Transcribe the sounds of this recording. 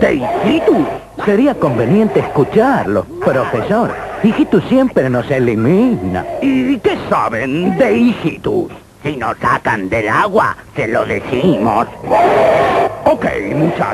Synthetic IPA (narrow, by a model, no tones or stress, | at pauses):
d̪̥ḛixit̪us | seɾiako̞mbe̞nje̞nt̪eːskut͡ʃaɾlo | pɾo̞feso̞ɾixit̪usjempɾeno̞selimina̰ikesaβend̪eixit̪ṵsːinosakand̪elaɣwa̰seloðḛsimo̰s | okḛjmut͡ʃa